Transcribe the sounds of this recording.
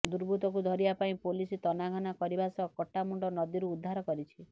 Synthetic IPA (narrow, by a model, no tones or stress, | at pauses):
d̪uɾbʱut̪ɔk̬ud̪ʱɔɾibapaĩpolisit̪ɔnaɡʱɔnakɔɾibasɔkɔʈːamuɳɖɔnɔd̪iɾuːd̪ʱːaɾɔkɔɾit͡ʃʰi